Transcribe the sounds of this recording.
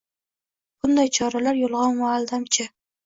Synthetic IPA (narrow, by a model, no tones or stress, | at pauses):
b̥ʊnd̪ajt͡ʃʰɒɾalaɾjolˠʁɑnmʊːlˠd̪amt͡ʃʰɪ